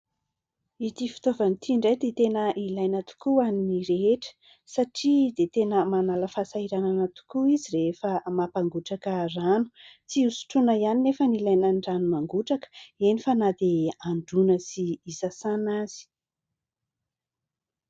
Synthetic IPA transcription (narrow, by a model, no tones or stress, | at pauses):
it̪ifi̥t̪ovanit̪ʰiɳɖ͡ʐajd̪et̪enəʔilajnət̪u̥kuaniniɾeeʈ͡ʂə̥ | saʈ͡ʂid̪et̪enəmanaləfasaiɾananat̪u̥kuiziɾeefəmapaŋɡuʈ͡ʂakəranut͡siusu̥ʈ͡ʂunaianinefənilajnaɳɖ͡ʐanumaŋɡuʈ͡ʂakə̥enifanad̪eaɳɖ͡ʐunəsiːsasanaz̥i̥